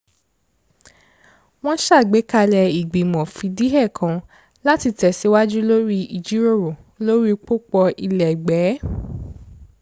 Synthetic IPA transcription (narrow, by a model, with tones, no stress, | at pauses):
w̃ɔ̃˦ʃa˦˨ɡ͡be˨˦ka˧lɛ˧i˨ɡ͡bĩ˨mɔ̃˨fĩ˧di˦ɦɛ˦˨kʰã˧ | la˦ti˧tɛ˨si˨˦wa˦d͡ʒu˦lo˦ɾi˦i˦˨d͡ʒi˨˦ɾo˦˨ɾo˨ | lo˦ɾi˦k͡po˦k͡pɔ˧i˧lɛ˨ɡ͡bɛ˨˦